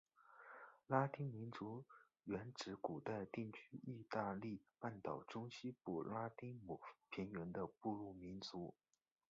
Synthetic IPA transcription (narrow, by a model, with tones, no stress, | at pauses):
la˥t̪i˥ŋmi˧˥nt͡su˧˥ | ɥɛ˧˥nʈ͡ʂɻ̩˧˥ku˨˩t̪a˥˧ɪt̪i˥˩ŋt͡ɕʰy˥i˥˧t̪a˥˧li˥˧pa˥˩nt̪ɑ˨˩ʊʈ͡ʂʊ˥ŋɕi˥pu˨˩la˥t̪i˥ŋmu˨˩pʰi˧˥ŋɥɛ˧˥nd̪ə˧pu˥˧lu˥˩mi˧˥nt͡su˧˥